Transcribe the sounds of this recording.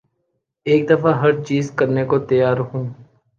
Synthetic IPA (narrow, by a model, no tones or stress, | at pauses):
eːk̚d̪əfaɦəɾt͡ʃiːzkəɾnekot̪əjaːɾəkʰũː